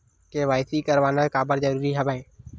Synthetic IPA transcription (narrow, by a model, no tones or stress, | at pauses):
keʋaːɪsikəɾʋaːnaekaːbəɾd͡ʒəɾuːɾiɦəbẽː